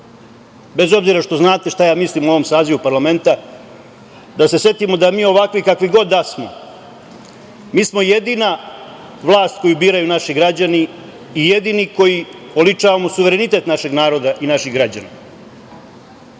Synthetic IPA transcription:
be̞zo̞bziɾaʃt̪o̞znaːt̪e̞ʃt̪ajaːmislimuo̞ʋo̞msaːziʋupaɾlˠame̞nt̪a | d̪ase̞sje̞t̪imo̞d̪amiːo̞ʋakʋikakʋiɡo̞d̪ːasmo̞ | miːsmo̞jed̪iːna | ʋlˠaːst̪̚ko̞jubiːɾajunaʃiɡɾad͡ʑaniː | je̞d̪iːniko̞ji | o̞lit͡ʂaːʋamosuʋe̞ɾe̞nit̪e̞t̪naʃe̞ɡnaːɾo̞d̪aʔinaʃiɣɡɾad͡ʑana

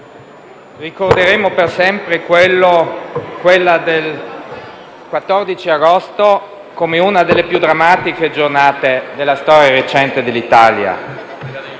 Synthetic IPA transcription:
rikord̪eɾeːmopersɛmpɾekwelːokwelːad̪el | kwat̪ːɔrd̪it͡ʃiaɡost̪o | komeunad̪elːepjud̪ːɾamːaːt̪iked͡ʒornaːt̪ed̪elːast̪ɔːɾjaɾet͡ʃɛnt̪ed̪elːit̪aːlja̰

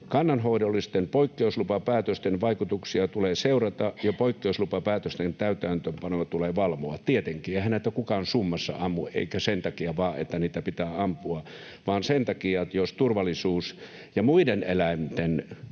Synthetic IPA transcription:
kɑnːɑnhoidolːist̪empoikːeuslupɑpæːt̪øst̪enʋɑikut̪uksiɑt̪uleːseurɑt̪ɑʔjɑpoikːeuslupɑpæːt̪øst̪ent̪æyt̪æːnt̪øːmpɑnoɑt̪uleːʋɑlmoɑt̪iet̪eŋkiːehænet̪ːækukɑnsumːɑsːɑ̰ɑmːuʔʔḛikæsent̪ɑkiɑʋɑːʔḛt̪ːæniːt̪æpit̪æːɑmpuɑ | ʋɑːnsent̪ɑkiɑt̪jost̪urʋɑlːˑisuːs | jɑmuidenḛlæimt̪en

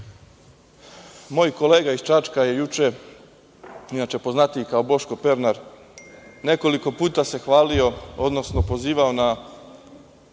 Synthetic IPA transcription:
mo̞ːjko̞le̞ːɡaist͡ʃat͡ʃkaje̞jut͡ʃe̞ | inat͡ʃe̞po̞znat̪ijkaobo̞ʃko̞pe̞ɾnaɾ | ne̞ko̞liko̞puːt̪ase̞xʋaːlio̞o̞d̪no̞sno̞po̞ziːʋao̞na

